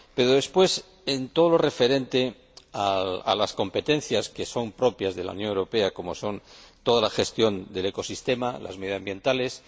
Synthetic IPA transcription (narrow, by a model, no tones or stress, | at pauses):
peɾoðe̞spwe̞s | ent̪oð̞olo̞refe̞ɾe̞nt̪e | aa̰lasko̞mpe̞t̪e̞n̟θjaskeso̞mpɾo̞pjazðe̞la̰ṵnjo̞ŋewɾo̞pe̞ako̞mo̞so̞nt̪o̞ðalaxe̞st̪jo̞nd̪e̞le̞ko̞sist̪e̞malʔa̰zmeðiðambje̞nt̪ales